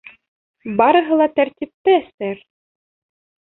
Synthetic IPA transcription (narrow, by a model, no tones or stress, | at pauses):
bɑɾɤ̆ɦɤ̆lˠɑt̪æɾt̪ʲip̚t̪ɘæst̪æɾ